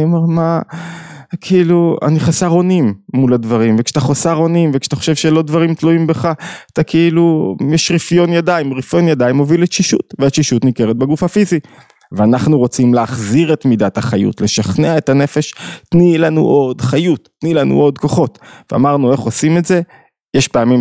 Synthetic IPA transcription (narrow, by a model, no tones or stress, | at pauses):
iomeʁma | kʰeilua̰niχasaʁo̞nimːuladvaʁimvekʃataχosaʁo̞nimvekʃḁt̪aχoʃe̞vʃelo̞dvaʁimtluimbeχat̪akʰeilujɛʃʁifjo̞njadaimʁifjo̞njad̪aimo̞viletʃiʃṵt̪veaʃiʃut̪nike̞ʁet̪̚be̞ɡufhafizi | veanaχnuʁo̞t͡simleːχziʁe̞t̪midathaχajṵtle̞ʃaχneaetane̞fe̞ʃtnilanṵʔo̞dχajutː | nilanṵo̞d̪ko̞χo̞tvea̰maʁnue̞χo̞simetze̞ | jeʃpeamim